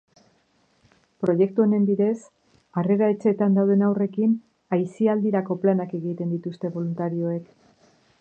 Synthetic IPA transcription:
pɾo̞je̞k̚t̪ue̞ne̞mbiðe̞s | are̞ɾae̞t͡ʃe̞t̪and̪awðe̞nawre̞kin | ajsiald̪iɾako̞planake̞ɣit̪e̞nd̪it̪ust̪e̞βo̞lunt̪aɾio̞e̞k

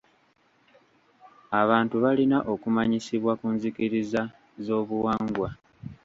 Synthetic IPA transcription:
aβaːntuβalinaʔo̞kumaɲisiβwakuːnzikiɾiza | zo̞ːβuwaːŋɡwa

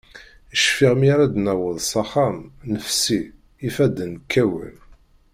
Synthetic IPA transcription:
əʃfiʁmiɾad̪næwəðˤsˤɑχamnəfsiː | fæd̪ənkʰːæwə̰n

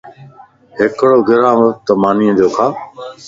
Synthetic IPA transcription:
ɦɪkɽoːɡʱɪɾãːʋət̪əmaːniːə̃d͡ʒoːkʰaː

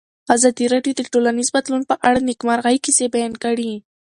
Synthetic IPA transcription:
azɑd̪iɾɑɖjod̪əʈolanizbad̪lunpəʔaɽanɪɡmɑɾɣajkisebajɑnkaɽi

